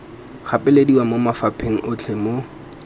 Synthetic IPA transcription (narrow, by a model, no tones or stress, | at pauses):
χʰapʼɪlediwamomafapʰeŋ̩ʔʊt͡ɬʰemo